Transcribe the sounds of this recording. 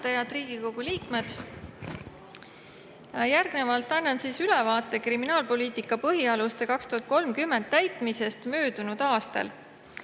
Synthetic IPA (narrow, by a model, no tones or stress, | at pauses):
t̪ɑjɑd̪riːɡ̥iko̞ɡ̥uliːkme̞d̪̥ | jjærɡ̥ne̞vɑlt̪ːˑɑnːɑnsiːsylevɑːt̪ːˑe̞kriminɑːlpo̞liːt̪ikːˑɑpɤɦiɑlust̪e̞kɑkst̪uhɑt̪̚ko̞lmkymːe̞nd̪̥t̪ːæjt̪ˑmise̞st̪møːd̪̥unud̪̥ɑːst̪ɑ̰l